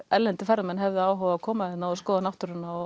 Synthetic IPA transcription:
ɛlːɛnt̪ɪfɛɾɪmɛnɦɛvðɪaːwɦɔːwakʰɔːmaðɛt̪naɔskɔːðanaht̪ʏɾɪnːaɔ

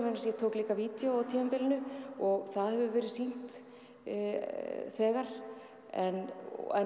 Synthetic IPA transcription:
vɛɾnasjɛt̪ʰoːwkliːkaviːt̪joawt̪ʰiːmampɪlɪnʏɔɣθaðhɛvʏvɛːɾɪsin̥t̪ | θɛːɣaɾ̥ | ɛnɛ

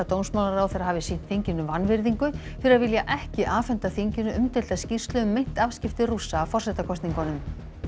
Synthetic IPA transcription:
at̪ownsmawlaɾawθeɾaɦaːvɪsin̥t̪θiɲcɪnːʏvanːvɪɾðiŋkʏ | fɪɾaðvɪljaʔɛhcɪʔaːfɛnt̪aθiɲcɪnːʏʔʏmt̪ɛl̥t̪ascir̥st̪lʏʏmːejn̥t̪av̥scɪft̪ɪrusaːfɔr̥sɛt̪akʰɔst̪niŋkanʏm

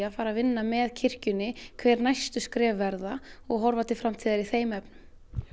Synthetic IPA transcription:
afaːɾavɪnːamɛðcʰɪr̥cʏnɪkʰvɛːɾnajst̪ʏskɾɛːvːɛɾðaɔɣɦɔɾvat̪ʰɪlfɾamt̪ʰiːðaɾiθeːjmɛpnʏ

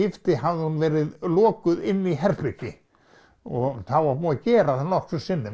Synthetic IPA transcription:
ɪft̪ɪɦavðunvɛːɾɪðlɔːkʏðɪnːiɦɛrpɪcɪ | ɔθavamɔːðcɛːɾaθanɔhksʏsɪnːɪ

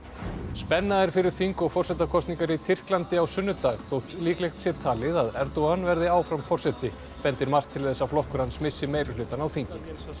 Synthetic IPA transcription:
spɛnːaðɛɾ̥fɪɾɪɾ̥θiŋkɔɣfɔrsɛt̪akʰɔst̪niŋkaɾit̪ʰɪr̥klant̪ɪawsʏnːʏt̪aɣθowht̪liːklejxt̪sjɛt̪ʰaːlɪðaðɛɾt̪owanvɛɾðɪaːwfɾamfɔr̥sɛt̪ɪ | pɛnt̪ɪɾmar̥kt̪ʰːɪlθɛsːawflɔhkʏɾansmɪsːɪmeːjɾʏlʏːt̪anawθiɲcɪ

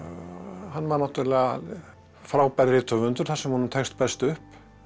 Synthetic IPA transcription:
hanːvaɾnawt̪ʏɾlɛɣa | fɾaːwpɛɾɾɪt̪ʰœvʏnt̪ʏɾ̥θḁsɛmhunʏmt̪ʰɛxst̪pɛ̥st̪ʏhp

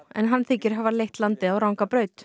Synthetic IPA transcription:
ɛ̰nɦanːθɪcɪɾ̥ɦaːvalejht̪lant̪ɪawɾawŋkapɾœːɥt̪

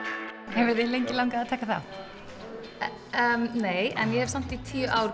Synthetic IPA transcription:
hɛvɪðɪlejɲcɪlawŋkaːðt̪ʰɛːkaθa̰ | əmneːjɛ̰njɛhɛv̥sam̥t̪it̪ʰiʏʔaːwɾ

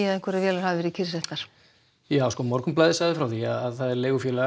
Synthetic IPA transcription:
aðɛ̃ŋ̥kʰvɛɾavjɛːlaɾhavɪvɪːɾicʰɪɾ̥sɛht̪aɾ̥ | jaːwskɔːmɔɾkʏmplajðɪsajðɪfɾawθiaaðθaðɛɾleːjɣʏfjɛːla

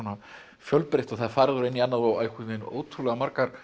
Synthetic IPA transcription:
ɔna | fjœlpɾejht̪ɔɣθaðfaːɾɪðʏɾejnianːaðvawajkʏt̪ɪno̰ːwt̪ʰɾulɛɣamaɾkaɾ̥

